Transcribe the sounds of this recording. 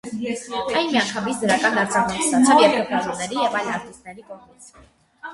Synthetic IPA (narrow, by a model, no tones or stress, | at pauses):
ajmiaŋkʰamisd̪ɾakʼanaɾt͡sʰaʁnɛɾisat͡sʰɛliɛvʰɛχaʒɔnɛɾiɛvajlaɾt̪ʼist̪ʰnɛɾikʼɔʁmi